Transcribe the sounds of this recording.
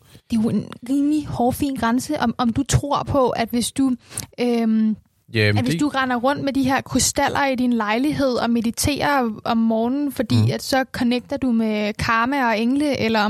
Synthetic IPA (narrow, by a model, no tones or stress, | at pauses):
d̥e̝oe̝nʁiːmlihɒːfḭːnɡ̥ʁɑ̈nsəʔɒmɒ̽md̥ut͡sʰʁo̝ɐ̰pʰɒ̽ʔæd̥ʋe̝sd̥uøm | ʋe̝sd̥uʁɑnɐʁɔ̽n̰d̥med̥iɦe̝ɐ̰kʰusd̥æl̰ʔɐidinlɑ̈ɪliɦe̝ð̞̰ˠɒ̽me̝ð̥ˠit͡sʰe̝̰ːɐɒ̽mːɒːnn̩fɒ̽d̥ḭːæd̥sɒ̽kʰɒ̽neɡ̥̚d̥ɐd̥umekʰɑ̈ːmæɒ̽eŋləʔelɐ